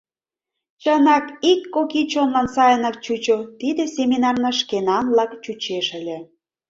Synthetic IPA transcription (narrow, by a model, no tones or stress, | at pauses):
t͡ɕənɑkikːokit͡ɕonlɑnsɑjənɑk̚t͡ɕut͡ɕot̪id̪ĕsʲemʲinɑrnɑʃkenɑnlɑkt͡ɕut͡ɕeʃə̆lʲĕ